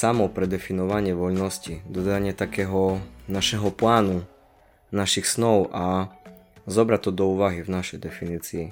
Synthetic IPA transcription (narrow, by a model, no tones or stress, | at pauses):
samɔpɾɛd̪ɛfinɔʋaɲɪɛʋɔʎnɔscid̪ɔd̪aɲɪɛt̪akɛːɦɔnaʃɛɦɔplaːnu | naʃixsnɔʊʔa | zɔbɾat̪ːɔd̪ɔuːʋaɦivnaʃɛjd̪ɛfiniːt͡siː